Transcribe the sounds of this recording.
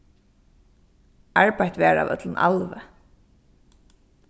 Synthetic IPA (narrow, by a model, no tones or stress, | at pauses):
aɹpajt̪ʋɛːɹa̰wʔœ̰t̪ləna̰lʋə